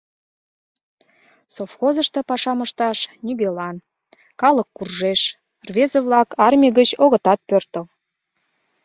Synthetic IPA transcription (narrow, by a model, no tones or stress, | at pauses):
sofxozəʃt̪ə̆pɑʃɑməʃt̪ɑʃnyɣelɑn | kɑləkːurʒeʃ | rvezəβlɑkʰɑrmʲiɣət͡ɕoɣə̆t̪ɑt̪̚pørt̪əl